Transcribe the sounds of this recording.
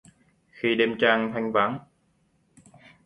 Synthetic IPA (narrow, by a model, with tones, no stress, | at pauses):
xi˧ɗe˧mt͡ɕaː˧ŋt̪ʰa˧jŋ̟vaː˨˦ŋ